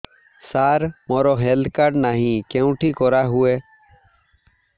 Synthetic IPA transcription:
saːɾmoːɾoːɦeːld̪kaːɖnaːɦĩːkẽːũːʈʰiːkoːɾaːɦʊeː

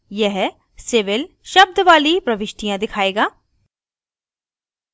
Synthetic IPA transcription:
jɛɦ | sɪʋɪl | ʃɐb̚d̪ʱʋaːlipɾɐʋɪʃʈijãd̪ɪkʰaːeːɡaː

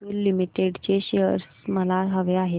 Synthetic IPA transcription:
iːlːimiʈeɽt͡ɕeɕeəɾsməlaɦəʋeaɦe

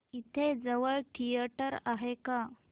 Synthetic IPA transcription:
it̪ʰed͡zəʋəɭʈʰijəʈəɾaɦeka

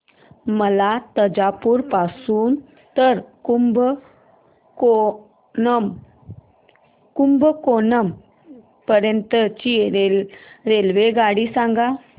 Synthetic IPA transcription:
məlat̪əd͡ʑapuːɾpasuːn | t̪əɾkumb | ko | m | kumbəkonəm | pəɾjənt̪ət͡ɕiɾeɾelʋeɡaɽiːsãŋɡa

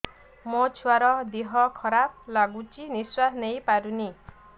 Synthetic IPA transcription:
mot͡ʃʰuaɾɔd̪iɦɔkʰɔɾap̚laɡut͡ʃiniswatnejpaɾuni

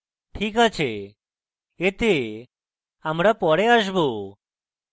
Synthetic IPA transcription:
ʈʰiːkət͡ɕʰe | et̪e | amɽapɔɽeəʃbo

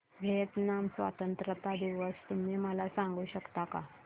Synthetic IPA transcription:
ɡʱet̪namsʋa̰t̪ənt̪ɾət̪ad̪iʋəst̪um̤iːməlasãŋɡuːɕəkt̪aka

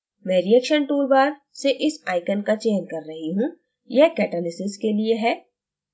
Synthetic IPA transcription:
mɛ̃ːɾijɛkʃənʈuːɾbaːɾseʔɪsaːɪkənkat͡ʃeːnkɐɾːɐɦiɦũ | jɛɦkɛːʈəlɪsɪzkelieɦɛː

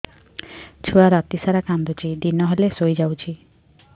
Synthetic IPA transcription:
t͡ʃʰuaɾat̪isaɾakand̪ot͡ʃʰiɖ̪inɔɦelesojd͡ʒawt͡ʃʰi

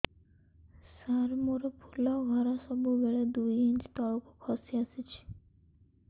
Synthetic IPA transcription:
saɾmoɾepʰulɔɡʱɔɾasɔbubɛɭed̪ujint͡ʃt̪ɔɭokokʰɔsiasit͡ʃʰi̥

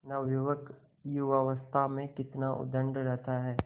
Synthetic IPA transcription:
nɐʋjuʋək | iʋaʋəst̪ʰamẽkɪt̪naʔʊ̰d̪ə̃ɳɖɾɛɦt̪ʰaɦɛː

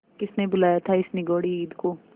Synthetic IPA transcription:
kɪsnebʊlaːjat̪ʰaɪsnɪɡoːɽiiːd̪koː

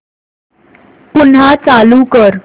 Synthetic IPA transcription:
punɦat͡salukəɾ

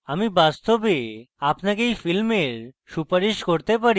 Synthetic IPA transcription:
amibast̪obe | apnakejfilmeɾʃupaɾiʃkoɾt̪epaɾi

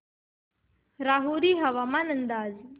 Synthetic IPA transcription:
ɾaɦuɾiːɦɐʋamanənd̪aːd͡z

